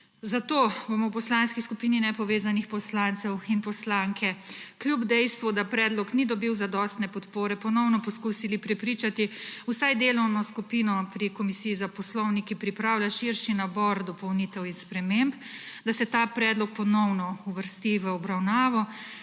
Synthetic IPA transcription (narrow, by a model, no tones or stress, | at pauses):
zat̪oːbomɔwpɔslanskiskupiːninɛpɔʋeːzanixpɔslant̪sɛwinpɔslaŋkʰɛkljubd̪ɛjst̪ʋɔd̪apɾɛːd̪lɔknid̪ɔbiwzad̪ɔːst̪nɛpɔt̪poːɾɛpɔnɔwnɔpɔskusilipɾɛpɾiːt͡ʃat̪iusajd̪eːlɔwnɔskupiːnɔpɾikɔmisijizapɔslɔwnikipɾipɾaːwlʲjaʃiɾʃinabɔɾd̪ɔpɔwnit̪ɛwinspɾɛmemp | d̪asɛt̪apɾɛːd̪lɔk̚pɔnɔwnɔuʋəɾst̪iʋəɔbɾawnaːʋɔ